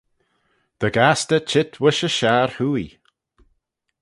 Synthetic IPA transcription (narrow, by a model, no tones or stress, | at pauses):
d̪̥əɡastət͡ʃʰɪtʰwɪʃəʃaːɹhuːḭ